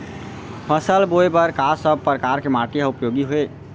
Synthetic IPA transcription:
pʰəsəlbojbəɾkasəb̚pɾəkaɾkemaʈiɦaupjoɡiɦoe

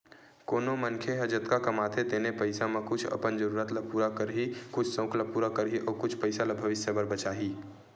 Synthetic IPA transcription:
koːnomənkʰeɦəd͡ʒət̪kakəmaːt̪ʰet̪enepəɪsamẽkʊt͡ʃʰə̰pənd͡ʒəɾuːɾət̪lapuːɾakəɾɦikʊt͡ʃʰsə̃ʊklapuːɾakəɾɦiʔɔːɾkʊt͡ʃʰpəɪsalabʱəʋɪsjəbəɾbət͡ʃaːɦiː

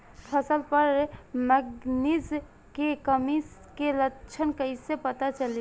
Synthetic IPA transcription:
pʰəsəlpəɾməɡnis | kekəmiskelət͡ʃʰənkəjsepət̪at͡ʃəli

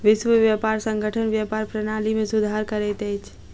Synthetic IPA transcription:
ʋɪʃʋəʋjapaːɾsə̃ŋɡʱəʈʰənʋjapaːɾpɾənaːlimẽsʊd̪ʱaɾkəɾet̪ɛt͡ʃʰ

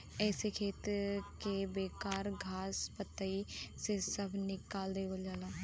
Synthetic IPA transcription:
ɛːsekʰeːt̪kebeːkaːɾɡʱaːspət̪ːəisesəbʱnɪkaːld̪eːʋəld͡ʒaːlaː

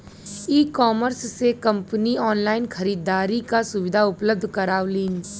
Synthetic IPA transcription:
iːkɔːməɾsːekɐ̃mpəniɔːnlaːɪnxɐɾiːd̪aːɾikasʊʋɪd̪ʱaʊpləb̚d̪ʱkɐɾaːʋliːn

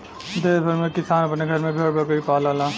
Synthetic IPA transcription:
d̪eːsbʱɐɾmẽkɪsaːnɐpnẽɡʱɐɾmẽbʱeːɽbɐkɐipaːlaːlãː

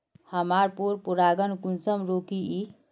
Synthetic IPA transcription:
həmaɾpuɾpuɾaɡənkunsəmɾoːkiʔi

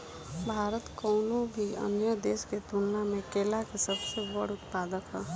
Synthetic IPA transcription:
bʱaːɾət̪kɔːnũbʱiə̰njəd̪eːsket̪unnamẽkeːlakesɐbsebəɽʊt̪paːd̪əkɦɛː

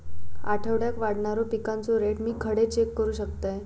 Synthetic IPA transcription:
a̰ʈʰəʋɽjakʋaɽɳaɾɔpikant͡sɔɾeʈmiːkʰəɽet͡ɕekːəɾuːɕəkt̪aj

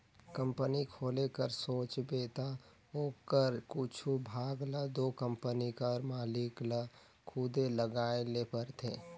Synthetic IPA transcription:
kə̃mpənikʰoːlekəɾsoːt͡ʃbeːt̪a | ɦoːkəɾkut͡ʃʰubʱaːɡlad̪oːkə̃mpənikəɾmaːlɪkla | kʰʊd̪eləɡaːelepəɾt̪ʰeː

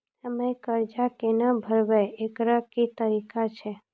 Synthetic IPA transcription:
səməjkəɾd͡ʒakenəbʱəɾʋeekɾəkit̪əɾikat͡ʃʰe

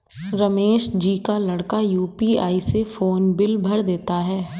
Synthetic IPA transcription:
ɾɐmeːʃd͡ʒiːkalɐɽkajuːpiaːisefoːnbɪlbʱɐɽd̪eːt̪aɦɛː

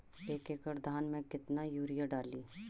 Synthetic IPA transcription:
eːkeːkəɾd̪ʱaːnmẽkɪt̪najuːɾɪjaɖaːliː

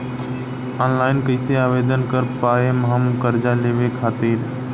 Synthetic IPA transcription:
ɔːnlaːɪnkəɪseaːʋeːd̪ənkəɾpaːemɦəmkəɾd͡ʒaleːʋekʰaːt̪iːɾ

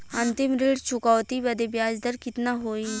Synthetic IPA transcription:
ɐ̃nt̪ɪmɾeːɽt͡ʃʰʊkɔʋt̪ibɐd̪ebjaːd͡ʒd̪əɾkɪt̪naɦoːi

